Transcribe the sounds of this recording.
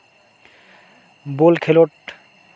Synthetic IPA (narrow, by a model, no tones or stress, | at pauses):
bolkʰeloʈ